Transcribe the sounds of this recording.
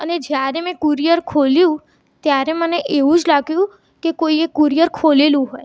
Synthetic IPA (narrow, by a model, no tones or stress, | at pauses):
əned͡ʒjaɾemɛ̃kuɾijəɾkʰoljũ | t̪jaɾeməneʔeʋũd͡ʒlaɡjũ | kekoiekuɾijəɾkʰolelũɦoj